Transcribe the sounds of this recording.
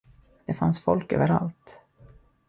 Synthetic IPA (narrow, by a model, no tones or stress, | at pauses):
d̪̥ɛfansfɔlkø̰ːvəɾalt̪